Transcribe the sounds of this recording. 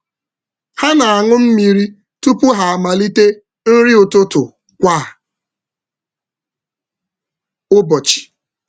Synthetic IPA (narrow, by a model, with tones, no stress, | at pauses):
ha˦na˨a˨ŋʊ˦m̩˦mi˨ɾi˦ | tu˦pʊ˦ɦa˨a˨ma˨li˦te˦ | n̩˦ɾi˦ʊ˨tʊ˦tʊ˨ | kʷa˦˨ | ʊ˦bɔ˨t͡ʃi̥˨